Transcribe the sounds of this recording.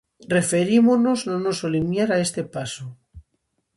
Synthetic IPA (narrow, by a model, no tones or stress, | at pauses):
re̞feɾimonoznonosolimjaɾaest̪epaso